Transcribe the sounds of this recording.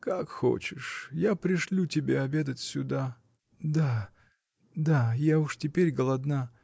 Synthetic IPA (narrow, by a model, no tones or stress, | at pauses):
kakxo̰t͡ɕɪʂjapɾʲɪʂlʲutʲɪbʲeɐbʲe̞d̪ətʲsʲʊd̪a | d̪a | d̪ajaʊʂtʲɪpʲeɾʲɡəlˠɐd̪na